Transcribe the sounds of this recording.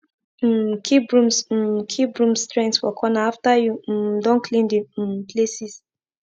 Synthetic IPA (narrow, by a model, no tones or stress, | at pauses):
kʰibɹũms̩kʰibɹũmstɹɛ̃ntswɔkʰɔnaaftajudɔ̃nkʰlĩndipʰlesis